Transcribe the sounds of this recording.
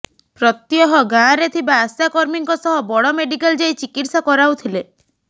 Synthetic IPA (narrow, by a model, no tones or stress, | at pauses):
pɾɔt̪jɔɦɔɡaɾet̪ʰibaːsjakɔɾmiŋkɔsɔɦɔbɔɽɔmeɖikald͡ʒajt͡ʃikiʈsakɔɾawt̪ʰile